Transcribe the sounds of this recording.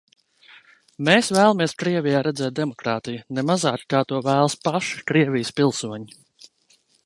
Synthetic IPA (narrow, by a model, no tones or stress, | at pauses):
meːsvæːlˠamiɛskɾiɛvijaːɾɛd̪zɛːt̪̚d̪ɛmɔkɾaːt̪ijunɛmazaːkkaːt̪uɔvæːlˠspaʃi̥kɾiɛvʲijspilˠsuɔɲi